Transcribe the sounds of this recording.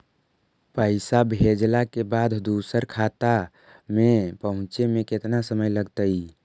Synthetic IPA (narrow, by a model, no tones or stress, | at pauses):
pəɪsabʱed͡ʒlakebad̪ʱd̪usəɾkʰat̪a | mepəɦʊ̃t͡ʃemẽket̪nasəməjləɡt̪əj